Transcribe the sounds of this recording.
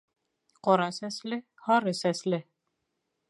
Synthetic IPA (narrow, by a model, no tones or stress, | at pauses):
qɒɾɑsæslɘ | hɒɾɤsæslɘ